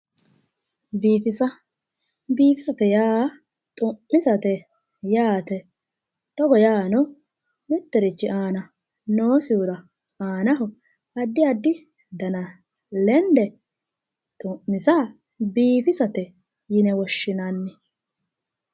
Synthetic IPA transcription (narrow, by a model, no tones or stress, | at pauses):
biːfɪsɐ | biːfɪsɐt̪ɛjaː | t̪ʼʊmːɪsɐt̪ɛ | jaːt̪ɛ | t̪ɔɡɔjaːnɔ | mɪt̪ːɛɾɪt͡ʃːɪʔaːnɐ | noːsɪʊɾɐ | aːnɐɦʊ | ɐd̪ːɪɐd̪ːɪ | d̪ɐnɐ | lɛnd̪ɛ | t̪ʼʊʔːɪsa | biːfɪsɐt̪ɛ | jɪnɛwɔʃːɪnanːɪ